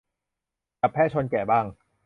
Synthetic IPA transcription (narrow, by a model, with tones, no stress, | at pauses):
ka˨˩pʰːɛː˥˩t͡ɕʰo˧nkɛː˨˩baː˥˩ŋ